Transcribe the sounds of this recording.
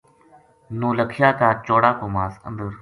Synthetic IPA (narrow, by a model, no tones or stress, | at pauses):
nõːləkʰijaːt̪aːt͡ʃoːɽaːkoːmaːsə̰nd̪əɾ